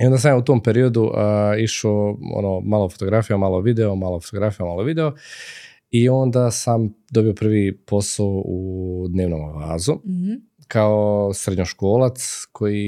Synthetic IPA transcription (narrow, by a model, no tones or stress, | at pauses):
io̞nd̪as̬amjaut̪oːmpe̞ɾio̞d̪uʔiʃoo̰nomaːlofot̪o̞ɡɾafijamaːlˠoʋid̪eomaːlˠofot̪oɡɾafijamaːlˠoʋid̪e̞o | io̞nd̪asamd̪obio̞pr̩ʋipo̞saud̪ne̞ːʋno̰mʋaːzu | kʰaosɾed̪ɲoʃko̞ːlat̪skʰo̞ji